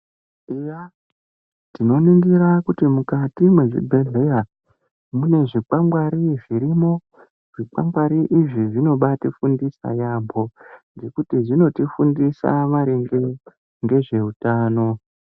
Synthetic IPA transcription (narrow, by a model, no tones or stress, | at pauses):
ija | tino̞niŋɡiɾakutimukatimwe̞ʐḭbʱe̞ɮe̞ja | mune̞ʐik͡paŋɡwaɾiʐiɾimo̞ | ʐ̥ik͡pa̰ŋɡwaɾiʔiʐiʐino̞ɓatifundisa̰jambo̞nde̞kutiʐino̞tifundisa̰ʋaɾeŋɡe | ŋɡe̞ʐe̞utaːno̞